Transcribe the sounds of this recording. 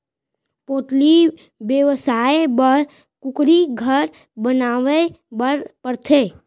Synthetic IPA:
poːt̪li | bjəʋsaːebəɾ | kʊkɾiɡʱəɾ | bənaːʋe | bəɾpəɾt̪ʰeː

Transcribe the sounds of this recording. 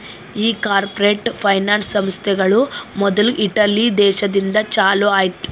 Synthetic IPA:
iːkaːɾpɐɾeːʈpʰɐjnaːnsɐmst̪ʰɛɡɐɭumɔd̪ɐluʔiʈɐlid̪ɛːʃɐd̪ind̪ɐt͡ʃaːloːajt̪

